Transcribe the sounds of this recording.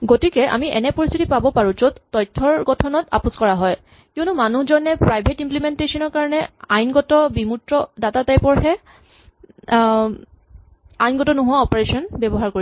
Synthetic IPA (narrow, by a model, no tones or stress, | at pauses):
ɡotikɛʔa̰miʔɛ̰nɛpoɹist̪ʰitipabɔpaɹũzotːɔjtʰːɔɹɡɔtʰɔnɔta̰puskɔɹaɦɔj | kiɔnumanuhzɔnɛpɹajbʱetimplimentesɔnɔɹkaɹɔnɛajnɡɔtɔbimutɹɔdatatajpɔɹɦɛ | ajnɡɔtɔnoɦʊwaɔpɔɹesɔnbɛbɔɦaɹkoɹi